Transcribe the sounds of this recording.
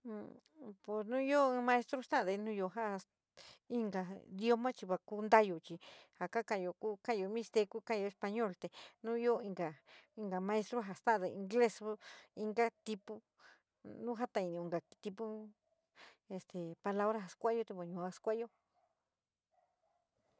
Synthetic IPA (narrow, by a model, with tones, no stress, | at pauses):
po˨snũ˦jo˦ɨ̃˦˧mã˧e˦st̪ɾo˦st̪ã˦˨˧ðe˧nũ˦jo˧ɦa˦a˧ | i˧ŋɡa˨˧d̪jo˦mã˦t͡ʃi˧βa˧ku˦nd̪a˦jo˨t͡ʃi˧ha˨ka˦kã˧jo˧ku˦kã˦˧jo˧mĩ˧st̪e˧ku˦ka˦˧o˧e˧spa˧ɲõ˦˨lt̪e˨nũ˦jo˦i˧ŋɡa˨i˧ŋɡa˨mã˧e˧st̪ɾo˦ɦa˧st̪ã˦˧ðe˧ĩ˧ŋɡle˦so˦i˧ŋɡa˦t̪i˧pu˦ | nũ˦ɦa˦t̪ã˧i˧˨nĩ˧˨ĩ˨ŋɡa˨˧t̪i˧pu˦ | e˧st̪e˨pa˧la˦βɾa˦ɦa˧skʷa˦jo˧t̪e˧po˨ɲũ˨a˧skʷa˦jo˦